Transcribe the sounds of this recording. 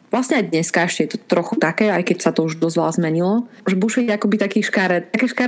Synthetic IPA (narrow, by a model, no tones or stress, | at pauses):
ʋlasɲɛajd̪ɲɛskaɛʃcɛjɛt̪ɔt̪ɾɔxut̪akɛːajkɛcsat̪ɔuʒd̪ɔzʋa̰zmɛɲilɔʒɛbuʃɛakɔbit̪akiːʃkaɾɛt̪akɛːʃkaɾ